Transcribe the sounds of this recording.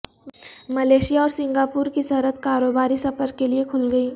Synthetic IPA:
mɐleːʃijaɔːɾsɪ̃ŋɡaːpuːɾkisɐɦɾət̪kaːɾoːbaːɾisɐfəɾkːeliekʰʊlɡɐiː

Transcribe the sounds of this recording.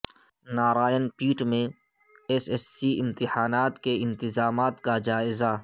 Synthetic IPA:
naːɾaːjənpiːʈmẽ | ɛsesːiɪmt̪ɪħaːnaːt̪keɪ̃nt̪ɪzaːmaːt̪kad͡ʒaːɪza

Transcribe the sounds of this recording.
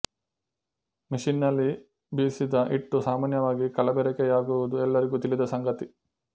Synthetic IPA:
mɐʃinːɐlːi | biːsid̪ɐʔiʈːusaːmaːnjɐʋaːɡikɐlɐbɛɾɛkɛjaːɡuʋud̪uɛlːɐɾiɡut̪ilid̪ɐsɐŋɡɐt̪i

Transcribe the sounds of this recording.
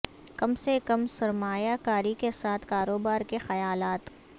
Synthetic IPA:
kɐmsekɐmsɐɾmaːjakaːɾikesaːt̪ʰkaːɾoːbaːɾkexɐjaːlaːt̪

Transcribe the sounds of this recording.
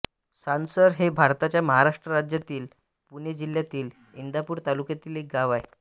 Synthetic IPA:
sansəɾɦebʱaɾt̪at͡ɕjaməɦaɾaʂʈɾəɾad͡ʑjat̪iːl | puned͡ʑiljat̪iːl | ind̪ʱapuːɾt̪alukjat̪iːlek̚ɡaʋaj

